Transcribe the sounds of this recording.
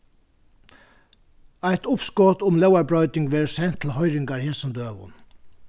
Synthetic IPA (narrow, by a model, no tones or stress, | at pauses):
æɪt̪ʊpskoːt̪ʊmlœʊɑɹbɹœʏd̪ɪŋɡʋeːɹsɛnt̪ʰl̩hœʏɾɪŋɡɑɹhɪːsɔmd̪øːʋʊ̰n